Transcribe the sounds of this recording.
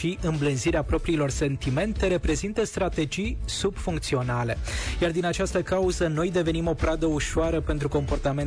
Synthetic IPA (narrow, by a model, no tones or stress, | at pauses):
iʔɨmblɨnziɾeapɾo̞pɾiːlo̞rse̞nt̪ime̞nt̪e̞ɾe̞pɾe̞zint̪əst̪ɾat̪e̞d͡ʒijsub̥fuŋk̚t̪sio̞nale̞jard̪inat͡ʃast̪əkauzəno̞jd̪e̞ve̞nimo̞pɾad̪əuʃoaɾəpe̞nt̪ɾuko̞mpo̞rt̪ame̞n